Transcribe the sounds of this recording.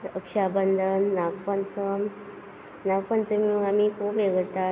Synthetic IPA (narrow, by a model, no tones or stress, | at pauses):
əkʂabənd̪ʱənːaɡpant͡səm | nak̚pant͡səmiuŋamikʰuːpeɡət̪a